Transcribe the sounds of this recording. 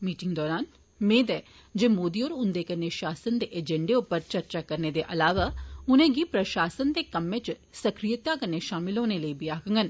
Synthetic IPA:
miːʈɪŋɡd̪ɔːɾaːn | mẽːd̪ɛː | d͡ʒeːmoːd̪iːoːɾʊnd̪eːkəɾneːʃaːsənd̪eːʔed͡ʒɛɳɖeːʊpːəɾt͡ʃəɾt͡ʃaːkəɾneːd̪eːʔəlaːʋaːʊnẽːɡiːpɾəʃaːsənd̪eːkəmːẽːt͡ʃsəkɾijət̪aːkəɾneːʃaːmɪlɦoːneːləiːbiaːkəŋɡən

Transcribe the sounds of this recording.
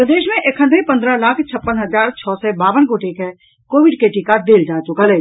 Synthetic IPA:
əd̪eːʃmẽʔekʰənd̪ɾĩpə̃nd̪ɾəlaːkʰt͡ʃʰəpːənɦəzaːɾt͡ʃʰɔːsɛbaːʋənkoʈeːkɦɛ̃ | koːʋɪɖkeʈikad̪eːld͡ʒaːt͡ʃʊkəlɛː

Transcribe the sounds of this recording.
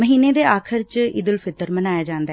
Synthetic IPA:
məɦiːneːd̪eːaːkʰəɾt͡ʃɪ̰d̪əlpʰɪt̪əɾmənaːjaːd͡ʒãːnd̪aɛː

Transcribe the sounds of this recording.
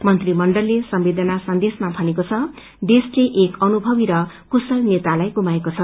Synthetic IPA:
mʌnt̪rimʌɳɖʌlːesʌmbed̪ʱʌnasʌnd̪esmabʱʌnekot͡sʰʌ | ɖesleʔekʌnubʱʌbiɾʌ | kusʌlnet̪alajɡumaekot͡sʰʌ

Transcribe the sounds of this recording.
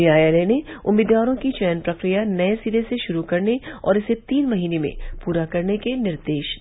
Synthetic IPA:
ijaːjeleneʊmiːd̪ʋaːɾõkit͡ʃɛjnpɾɐkɾijanɐesiːleseʃʊɾukɐɾneɔ̰ːɾɪset̪iːnmɐɦiːnemḛ̃puːɾakɐɾnekenɪɾd̪eːʃ

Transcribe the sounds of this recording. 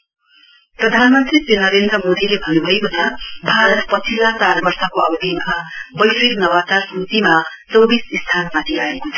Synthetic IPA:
prʌd̪ʱanmʌnt̪risinʌɾend̪rʌmod̪ilebʱʌnubʱʌjbunʰabʱaɾʌt̪pʌt͡sʰilːat͡sarbʌrsʌkoʌbʱibʱinmabʌjiknʌwat͡sarsut͡sima | t͡sʌwbisist̪ʰanmat̪ʰiaekot͡sʰʌ̥

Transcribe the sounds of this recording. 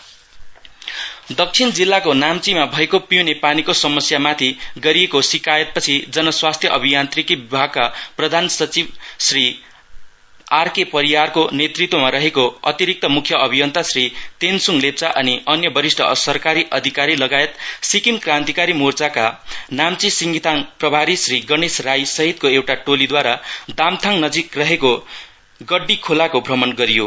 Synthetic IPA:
d̪ʌk̚t͡sʰind͡zilːakonamt͡simabʱʌekopiunepanikosʌmʌsjamat̪ʰiɡʌɾiekosikajʌt̪̚pʌt͡sʰid͡zʌnʌswast̪ʰjʌʔʌbʱijant̪rikibibʱaɡ̚kaprʌd̪ʱansʌt͡sibsri | arkepʌɾiwarkonet̪rit̪womaɾʌɦekoʌ̰t̪iɾik̚t̪ʌmukʰjʌʌbʱijʌnt̪asrit̪ensuŋlep̚t͡saʔʌniʌnjʌbʌɾisʈʰʌ̰sʌrkaɾiʔʌd̪ʱikaɾilʌɡajet̪sikimkrãnt̪ikaɾimurt͡sakanamt͡sisiŋɡit̪ʰaŋprʌbʱaɾisriɡʌnesrajsʌɦit̪̚koewʈaʈolid̪waɾad̪amt̪ʰaŋnʌd͡zikrʌɦeko | ɡʌɖːikʰolakobʱrʌmʌnɡʌɾijo

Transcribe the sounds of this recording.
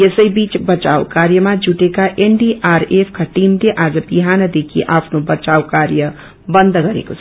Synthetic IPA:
jesəjibit͡sbʌt͡ʃa̰wkaɾjəmad͡zuʈekaʔeɳɖiʔaɾepʰkaʈimleʔad͡zʌbiɦanʌd̪ekʰiʔapʰnobʌt͡ʃawkaɾjʌ | bʌnd̪ʱɡʌɾḛkot͡sʰ

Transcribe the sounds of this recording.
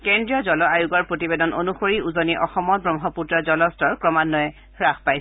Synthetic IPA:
kendɹijɔd͡ʒɔlɔajuɡɔɹpɹotibedɔnʔo̰nuxoɹiuzoniʔɔxɔmɔtbɹɔŋɦɔputɹɔzɔlɔstɔɹkɹɔmanːɔjɛ | ɹaxpaj

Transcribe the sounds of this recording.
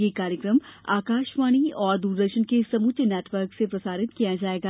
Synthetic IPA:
jekaːɾjəkɾəma̰ːkaːʃʋaːɽ̃iɔːɾd̪uːɾd̪əɾʃənkesɐmʊt̪nɛːʈʰʋəɾksepɾɐsaːɾɪt̪kijad͡ʒaːeːɡa

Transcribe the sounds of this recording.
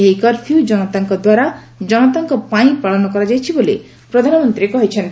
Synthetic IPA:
ejkɔɾpʰiud͡ʒɔnɔt̪aŋkɔd̪waɾa | d͡ʒɔnɔt̪aŋkɔpaĩpaɭɔnɔkɔɾɔd͡ʒajt͡ʃʰibole | pɾɔd̪ʱanɔmɔnt̪ɾiekɔɦit͡ʃʰent̪

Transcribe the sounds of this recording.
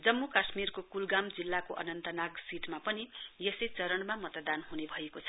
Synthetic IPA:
d͡zʌmːukasmirkokulɡamd͡zilːakoʔʌ̰nʌnt̪ʌnaɡsiʈmapʌnijʌsejt͡sʌɾʌnmamʌt̪d̪anɦunebʱʌekot͡sʰʌ

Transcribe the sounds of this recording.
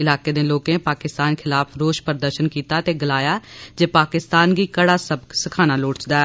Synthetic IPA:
ɪlaːkeːd̪ẽːloːkẽːpaːkɪst̪aːnkʰɪlaːpʰɾoːʃpəɾd̪əɾʃənkiːt̪aːt̪eːɡəlaːjaːd͡ʒeːpaːkɪst̪aːnɡiːkəɽaːsəbksɪkʰaːnaːloːɽt͡ʃd̪aːɛ

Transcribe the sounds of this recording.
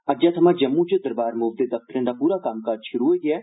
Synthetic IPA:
ɐd͡ʒat̪ʰɐmãːd͡ʒɐmːũt͡ʃəd̪əɾbaːɾmʊbd̪ed̪ɐf̚t̪əɾẽːd̪aːpuːɾaːkaːmkaːɾd͡ʒʃʊɾuoɡɛː

